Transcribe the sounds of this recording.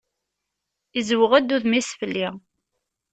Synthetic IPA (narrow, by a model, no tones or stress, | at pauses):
izwəʁæd̪ːuðmisfəlːi